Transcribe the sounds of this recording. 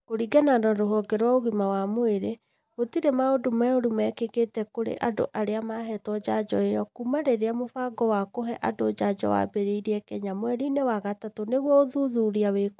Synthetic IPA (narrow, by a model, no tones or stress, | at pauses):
koɾiɡɛnadɔɾoɦɔɡɛɾwaoɣimawamoeɾe | ɣotiɾemaodomɛoɾumɛkeketɛkoɾḛʔado̰ʔaɾeamaɦɛtwɔd͡ʑad͡ʑɔ̰ejɔkumaɾeɾeamofaɡɔwakoɦɛʔadod͡ʑad͡ʒɔ̰wa̰beɾeiɾiɛkɛɲamoɛɾinewaɣatatoneɣwɔoðuðuɾiawek